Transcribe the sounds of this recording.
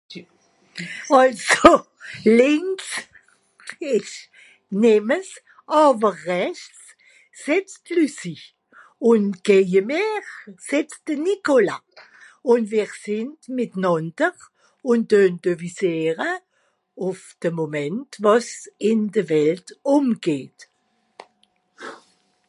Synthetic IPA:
ɑlso | lɪŋks | ɪʃ | nɛməs | ʔɑːbəʁːɛçt͡s | sɛpstlysiç | ʊnɡ̥eəmeʁsɛps̚d̥ənikola̰ | ʊnviːʁsɪntmɪtnɔndəʁ | ʊnd̥ønd̥əviseːʁə | ʊfd̥əmomɛntvosɪndəvɛltʊmɡ̥eːt

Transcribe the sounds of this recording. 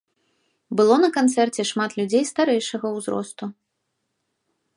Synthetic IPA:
bɨlˠɔnɐkant̪sɛrt͡sʲɛʂmat̪lʲud͡zʲejst̪aɾɛjʂɐɣɐwzɾɔ̰st̪u

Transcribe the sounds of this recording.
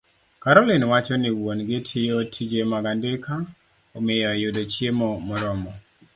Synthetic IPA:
kaɾɔlɪnwat͡ʃɔnɪwwonɡɪtʰɪjɔtʰid͡ʒemaɡandekʰa | omɪjɔjʊdot͡ʃjemɔmɔɾɔmɔ

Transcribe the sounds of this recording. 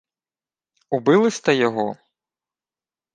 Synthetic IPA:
ubɪlˠɪsʲt̪ɛjɔɦɔ

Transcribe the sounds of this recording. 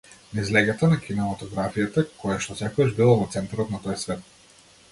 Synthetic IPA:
naizlɛɡat̪anakʲinɛmat̪ɔɡɾafijat̪akɔjaʃt̪ɔsɛkɔaʒbilˠavɔt̪sɛnt̪aɾɔt̪nat̪ɔjsvɛt̪̚

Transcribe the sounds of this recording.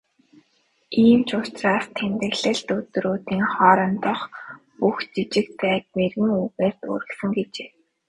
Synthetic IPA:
iːmt͡ɕʰʊ̥t͡ɕraːst̪ʰemt̪ɘ̆ɣɮɘ̆ɬt̪ɵt̪ɾoːt̪iːŋχɔːɾɞ̆nt̪ɔ̆χ | puxt͡ɕit͡ɕɪ̆k̚t̪̚pæːk̪merɣɘ̆ŋuɣeːr̥t̪o̰ːɾɘ̆ksə̆ŋɡet͡ɕeː

